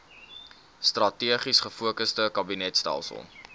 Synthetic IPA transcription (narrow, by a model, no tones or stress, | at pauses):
strɐtiəχisχəfuəkəstəkɐbinɛtstæ̰lˠsə̰lˠ